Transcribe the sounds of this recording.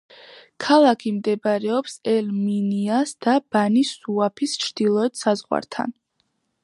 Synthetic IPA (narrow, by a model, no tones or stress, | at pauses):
kʰalˠakʰimd̪ɛbaɾɛɔpsɛlminiasd̪̥ab̥anisuapʰist͡ʃʰɾd̪̥ilˠɔɛt̪ʰsazʁwa̰ɾt̪ʰa̰n